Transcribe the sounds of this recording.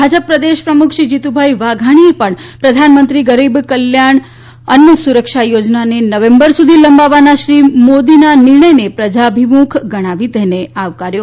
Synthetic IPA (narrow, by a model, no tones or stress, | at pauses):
bʱad͡ʒəpːɾəd̪eʃpɾəmukʰʃid͡ʒit̪ubʱaiʋaɡʱaɽ̃iepəɳpɾəd̪ʱanmənt̪ɾiɡəɾibkəljaɳ | ənjəsuɾəkʃajod͡ʒnanenəʋẽmbəɾsud̪ʱiləmbaʋanaʃɾimod̪inanɪɾɳəjnepɾəd͡ʒabʱimukʰɡəɽ̃aʋid̪ɛneaʋkaɾjo